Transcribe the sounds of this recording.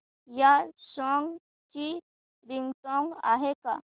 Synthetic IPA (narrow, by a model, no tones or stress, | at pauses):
jaɕɔŋɡ | t͡ɕi | ɾiŋɡsɔ̃ŋɡa̰ɦeka